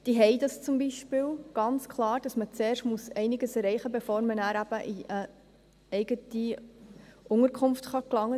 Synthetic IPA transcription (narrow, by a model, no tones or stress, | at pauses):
d̥iɦɛɪdɑst͡sʊmbiʃpɪːlɡ̥ɑnt͡skʰlɑːɾd̥ɑsmət͡seːrʃtmusɛɪnɪɡəsɛɾɛɪχəbefɔːɾmənæːɾæb̥əʔiʔə | ɛɪɡəti | ʔʊŋəɾkʰʊnftχɑklɑŋːə